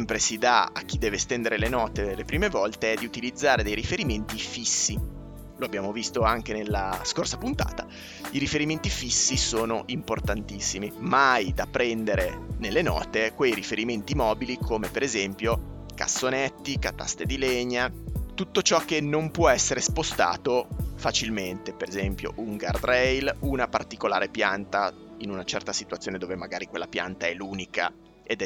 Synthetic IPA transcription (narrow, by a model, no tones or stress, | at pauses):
mpɾesid̪a̰a̰k̟ːid̪ːɛːvest̪ɛnd̪eɾelenɔːt̪elepɾiːmevɔlt̪eɛd̪iut̪ilid̪zːaːɾed̪ejɾifeɾiment̪ifisːi | loabːjaːmovist̪oaŋkenelːaskorsapunt̪a̰ːt̪a | iɾifeɾiment̪ifisːisoːnoʔimport̪ant̪isːimimajd̪apːɾɛnd̪eɾenelːenɔ̰ːt̪ekwejɾifeɾiment̪imɔːbilikʰoːmepeɾezɛmpjo | ka̰sːonɛt̪ːikat̪a̰st̪ed̪ileɲat̪ut̪ːot͡ʃɔk̟ːenːompwɔɛsːeɾespost̪a̰ːt̪ofat͡ʃilment̪epeɾezɛmpjo̰ʔuŋɡa̰rd̪ɾɛjlunapart̪ikola̰ːɾepjant̪a | inunat͡ʃɛ̰rt̪asit̪wat̪sjoːned̪oːvemaɡaːɾikwelːapja̰nt̪aɛlːuːnika̰ | ed̪ɛ